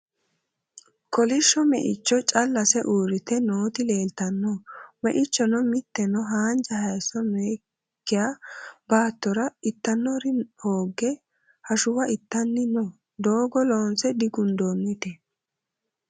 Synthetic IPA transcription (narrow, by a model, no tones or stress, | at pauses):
kɔlɪʃːɔmɛ̰ʔɪt͡ʃːɔt͡ʃʼɐlːɐsɛʔuːɾɪt̪ɛnoːt̪ɪleːlt̪ɐnːɔmɛ̰ʔɪt͡ʃːɔnɔmɪt̪ːɛnɔɦaːnd͡ʒɐhɐjsɔnɛ | kːɪjabaːt̪ːɔɾɐɪt̪ːɐnːɔɾɪhoːɡːɛ | hɐʃʊwɐɪt̪ːɐnːɪnɔ | d̪o̞ːɡɔlo̞ːnsɛd̪ɪɡʊnd̪oːnːʊt̪ɛ